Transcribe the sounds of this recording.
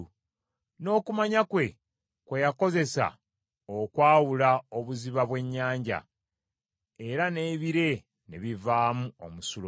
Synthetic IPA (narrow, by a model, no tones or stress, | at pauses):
no̞ːkumaɲakwe̞ | kwe̞jako̞ze̞sa̰ | okwaːwulao̞βuziβaβwe̞ɲːaːɲɟa̰ | e̞ɾane̞ːβiɾe̞ | neβivaːmuomusul